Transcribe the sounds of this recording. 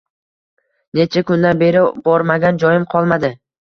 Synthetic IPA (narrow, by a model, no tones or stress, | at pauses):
ne̞t͡ʃʰakʊnd̪anbe̞ɾɪbɒɾmaɡʲand͡ʒɒjɪmqʰɒlˠmad̪ɪ